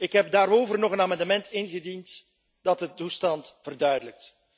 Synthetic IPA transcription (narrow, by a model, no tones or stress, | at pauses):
ɪkɦɛp̚daːɾowvərnɔχənaːmɑndəmɛntɪnɣədint | dɑtətustɑntvərdœɥdələk̚t